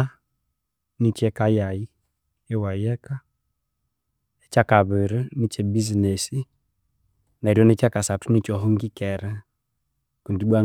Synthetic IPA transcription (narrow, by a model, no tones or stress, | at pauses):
a | nit͡ʃɛkajai | ɛwajɛka | ɛt͡ʃakaβɪɾɛnit͡ʃɛbizinɛsi | naɾjɔnɛt͡ʃakasatunit͡ʃɔɦɔŋɡikɛɾɛ | kundiɓwa